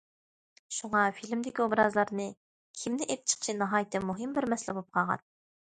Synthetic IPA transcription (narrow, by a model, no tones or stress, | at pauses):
ʃuŋɑfilmd̪ɪkʲiobɾɑzlˠɑɾnɨ | kʰʲimnɪʔep̚t͡ʃʰə̥χt͡ʃʰinɑɦɑːjt̪ʰɪmuɦɨmbɪɾmɛslɪbop̚qʰɑʁɑ̰n